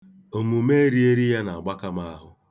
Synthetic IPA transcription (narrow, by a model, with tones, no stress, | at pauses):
o˨mu˨me˦ɾi˦e˦ɾi˦ja˦na˨a˨ɡ͡ba˦ka˦ma˦a˦ɦʊ˦